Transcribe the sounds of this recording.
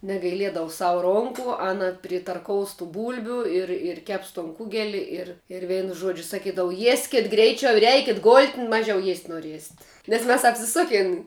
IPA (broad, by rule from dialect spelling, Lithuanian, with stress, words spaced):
nʲɛɡɐɪˈlʲiɛdɐʋʊ ˈsɑːʋʊ ˈroːŋkʊ ˈɑːnɐ pʲrʲɪtɐrˈkoːʊs tʊ ˈbuːlʲbʲʊ ɪr ɪr ˈkʲɛps toːn ˈkʊɡʲɛlʲɪ ɪr ɪr ˈʋʲɛɪnʊ ˈʒuɔd͡ʒʲʊ sɐˈkʲiːdɐʋʊ ˈjiɛsʲkʲɪt ˈɡrʲɛɪt͡ʃʲɛʊ ɪr ˈɛɪkʲɪt ɡoːlʲtʲ ˈmɑːʒʲɛʊ jiɛsʲtʲ noːˈrʲiɛsʲɪt nʲɛs ˈmʲɛs ɐpʲsʲɪˈsʊkʲɪn